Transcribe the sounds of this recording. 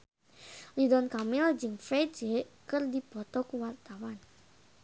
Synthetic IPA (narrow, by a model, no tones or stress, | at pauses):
lidɔnkamɪld͡ʒəŋfe̥d͡ʒ̥eʔkərdib̥ɔt̪ɔkuwart̪awan